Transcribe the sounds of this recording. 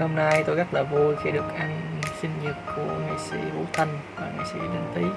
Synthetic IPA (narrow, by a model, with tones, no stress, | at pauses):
ho˧mna˧jt̪o˧jɣə˦˥t̚laː˨˩vu˧jxi˧ɗɨ˨˩ək̚ʔa˧ŋsï˧nzi˨˩t̚kṵ˧˩əŋa˨˩jsḭ˧˩˦ɓo˧˨˦t̪ʰə˧nvaː˨˩ŋa̰˨˩jsḭ˧˥˦ɗə˧nt̪i˨˦